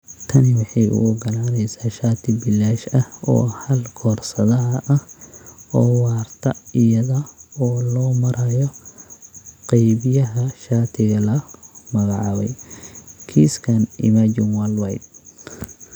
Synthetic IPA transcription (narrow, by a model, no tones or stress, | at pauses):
t̪ʰɐnɪwɑħɑjʔʊ̰ʔɔɡɐlaːɾɛjsaːʃaːt̪ʰɪbɪlːaːʃɐhɔ̰ːhɐlkʰɔːrsɐðɐɦɐʔɐhʔɔːwaːrt̪ʰɐɪjɐðɐɔːlɔːmɐɾɐjɔ | qɛjβɪjɐɦɐʃaːt̪ʰɪɣɐlɐmɐɣɑʕɑ̰ːβɛ̰j | kʰiːskʰɐnʔɪ̰mad͡ʒɪnwalwɛjd̪̚